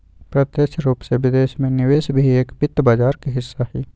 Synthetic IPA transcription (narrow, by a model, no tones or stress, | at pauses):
pɾɐt̪jeʃɾuːpseʋɪd̪eːʃmẽnɪʋeːsbʱieːkbɪt̪ːbaːd͡ʒaːɾkeɦɪsːaɦɛː